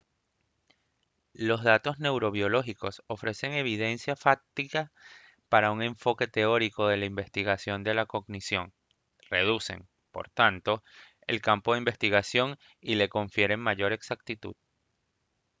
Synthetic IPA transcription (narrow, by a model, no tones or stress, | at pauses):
lo̞zðat̪o̞zne̞wɾo̞βjo̞lo̞xiko̞so̞fɾe̞se̞ŋe̞β̞iðe̞nsjafak̚t̪ika | paɾauŋe̞ɱfo̞ke̞t̪e̞o̞ɾiko̞ðe̞laimbe̞st̪iɣasjo̞nd̪e̞lako̞ɣnisjo̞ŋ | re̞ð̞use̞̰ŋ | po̞̰ɾt̪ant̪o̞ | e̞̰lkampo̞ðeimbe̞st̪iɣasjo̞ŋ | ile̞ko̞ɱfje̞ɾe̞ŋmaʝo̞ɾe̞ksak̚t̪it̪ṵð